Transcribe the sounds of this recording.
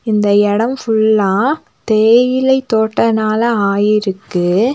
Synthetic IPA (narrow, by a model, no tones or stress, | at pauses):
ɪnd̪ɐɛɽɐmfʊɭːãː | t̪eːjɪlɐɪt̪ːoːʈːɐnaːlɐaːjɪɾɯkːɯ